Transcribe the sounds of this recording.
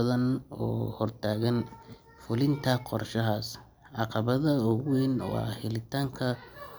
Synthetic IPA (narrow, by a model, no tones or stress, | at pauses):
ɐðɐnɔ̰ːhɔrt̪ʰaːɣɐn | fʊlɪnt̪ʰɐqɔrʃɐɦaːs | ʕɑqɑβɐðɐʊɣwɛːnwɑ̰ːhɪlɪt̪ʰaːŋkʰɐ